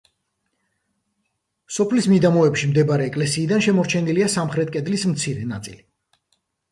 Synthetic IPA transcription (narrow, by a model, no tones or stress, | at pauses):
sɔpʰlismid̪amɔɛpʃimd̪ɛbaɾɛːkʼlɛsiːd̪anʃɛmɔɾt͡ʃʰɛniliasamχɾɛt̪̚ʰkʼɛd̪lismt̪sʰiɾɛna̰t̪sʼḭli